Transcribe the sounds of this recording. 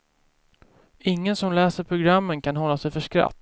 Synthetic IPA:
ɪŋːənsɔmlɛːsəɾpʰɾʊɡɾamːənkʰanɦɔlːasɛjfœʂkɾa̰t̪ː

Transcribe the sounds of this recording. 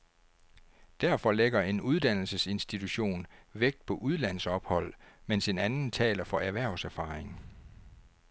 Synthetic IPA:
d̥æɐ̰fɒ̽leɡ̥ɐe̝nuð̞ˠd̥æn̰l̩səse̝nsd̥it͡sʰuɕo̝̰ːnʋeɡ̥̚d̥̚pʰɒ̽ʔuð̞ˠlæn̰sɒ̽b̥hɒ̽l̰mense̝nænn̩t͡sʰɛ̰ːlɐfɒ̽ʔæɐʋæɐ̰sæɐfɑ̈eŋ

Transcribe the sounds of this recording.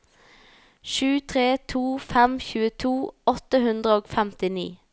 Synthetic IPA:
ʃʉːt̪ʰʁeːt̪ʰuːfɛmçʉːət̪ʰuːɔt̪əhʉnd̪ʁəoːɡfɛmt̪ɪnḭː

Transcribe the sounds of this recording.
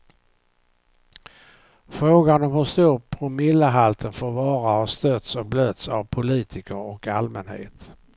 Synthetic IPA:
fɾoːɡanɔmhɵʂt̪uːɾpʰɾʊmɪlːəɦalt̪ʰənfoːɾvɑːɾahast̪œt̪sɔk̚bløːt̪savpʰʊliːt̪ʰɪkəɾɔkalmənhḛːt̪

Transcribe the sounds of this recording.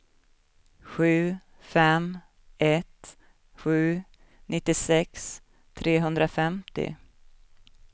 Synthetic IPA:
ɧʉ̟ː | fɛm | ɛt̪ | ɧʉ̟ː | nɪt̪ːɪsɛks | t̪ʰɾeːɦɵnd̪ɾafɛmt̪ɪ̰

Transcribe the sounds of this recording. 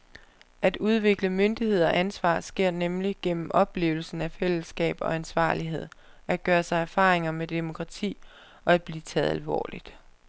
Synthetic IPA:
æd̥uð̞ˠʋe̝ɡ̥ləmønd̥ihe̝ð̞̰ˠɐʔænsʋɑ̰̈ːsɡ̥e̝ɐ̰nemliɡ̥en̰m̩ʔɒ̽b̥le̝̰ːʊl̩sn̩æfel̰əsɡ̥ɛ̰ːb̥ɒ̽ænsʋɑ̰̈ːliɦe̝ð̞̰ˠ | ʔæ̥ɡ̥ɶːɐsɑ̈ɪæɐfɑ̈ːʁeŋɐmed̥e̝mo̝kʰʁɑ̈t͡sʰḭː | ɒ̽æd̥̚b̥liːt͡sʰɛ̰ːðˠælʋɒ̰ːlid̥

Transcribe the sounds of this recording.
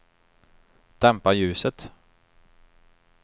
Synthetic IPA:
d̪̥ɛmpajʉ̟ːsət̪

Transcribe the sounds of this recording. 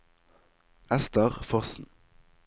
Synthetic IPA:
ɛst̪əʁfɔʁsn̩

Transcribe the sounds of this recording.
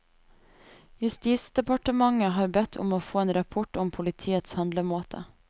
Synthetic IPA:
jʉst̪iːt̪sd̪ɛpɑʈəmɑŋəɦɑːɾbɛt̪ʰʊ̰moːfoːeːnɾɑpʰɔʈʊmpʰʊlɪt̪ʰiːət̪shɑnd̪ləmoːt̪ʰə̰

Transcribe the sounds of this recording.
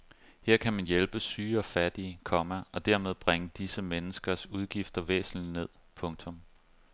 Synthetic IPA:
heɐ̰kʰæmænjelb̥əsyːɒ̽fæd̥iəkʰɒ̽mæɒ̽d̥æɐ̰me̝ð̞ˠb̥ʁaŋəd̥isəmenəsɡ̥ɐsuð̞ˠɡ̥ifd̥ɐʋḛːsn̩ine̝ð̞̰ˠpʰɔ̽ŋt͡sʰɔ̽m

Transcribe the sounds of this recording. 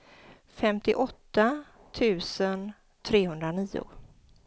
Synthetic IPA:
fɛmt̪ɪ̰ʔɔt̪ːa | t̪ʰʉ̟ːsən | t̪ʰɾeːɦɵnd̪ɾaniːʊ̰

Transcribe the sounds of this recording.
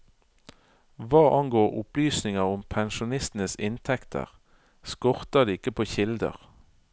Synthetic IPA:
ʋɑːʔɑŋɡoːʁʊ̰plyːsnɪŋəʁʊmpʰɛnʃʊnɪst̪n̩əsɪnt̪ʰɛkt̪ʰə̰ʁ | skɔʁt̪əd̪eːɪkəpʰoːçɪld̪ə̰ʁ

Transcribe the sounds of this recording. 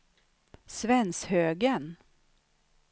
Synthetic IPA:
svɛnshøːɡən

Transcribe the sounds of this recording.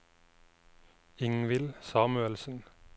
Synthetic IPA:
ɪŋʋɪlsɑːmʉəlsn̩

